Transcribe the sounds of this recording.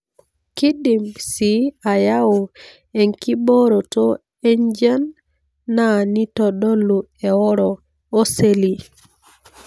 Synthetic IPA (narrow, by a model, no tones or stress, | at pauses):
kidimsiajawo | eŋkibɔɾɔtɔ | eɲd͡ʒanː | anitɔɗolːuɛwɔɾɔː | seli